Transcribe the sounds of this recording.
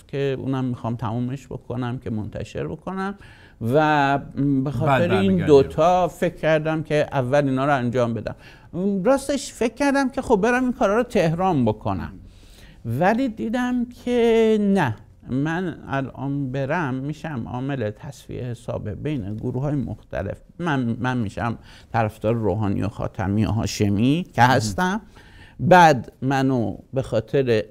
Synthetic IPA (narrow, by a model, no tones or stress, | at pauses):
kʲʰeṵːnæmːixɒːmt̪ʰæmuːme̞ʃbo̞̰kʰonæmkʲʰe̞mont̪ʰæ̰ʃe̞̰ɾbo̞kʰo̞næm | væ | be̞xɒːttʰeɾeiːnd̪ot̪ʰɒːfe̞kʰʲːæɾd̪æmkʰe̞ʔævːæliːnɒːɾɔænd͡ʒɒːmbe̞d̪æ̰m | ɾɒːst̪eʃfe̞kʲʰːæɾd̪æmkʰʲe̞xobbe̞ɾæminkʰɒːɾɒːɾot̪ʰe̞hɾɒːnbo̞kʰo̰næ̰m | væliːd̪iːd̪æmkʰenæ | mænæ̰lɒ̰ːnbe̞ɾæmːiːʃæmɒ̰ːme̞let̪ʰæsfḭʔehesɒ̰ːbebe̞jneɡoɾuːhɒːjemo̰xt̪ʰæ̰le̞̰f | mæmænmiʃæ̰m | t̪ʰæɾæfd̪̥ɒːɾeɾoːɦɒːnḭjoxɒ̰ːt̪ʰæ̰mijo̰ɦɒ̰ːʃemicʰehæst̪æmbæd̪mænobe̞xɒːt̪ʰe̞ɾe